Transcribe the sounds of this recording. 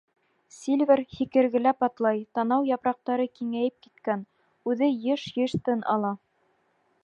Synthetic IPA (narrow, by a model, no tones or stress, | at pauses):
sʲilʲvʲɘɾhikɘ̆ɾɡɘ̆læpɑt̪lˠɑjt̪ɑnɑwjɑpɾɑq̚t̪ɑɾɤkiŋæjɘp̚kit̪kæn | ʉðɘjɤʃjɤ̆ʃt̪ɤnʔɑ̰lˠɑ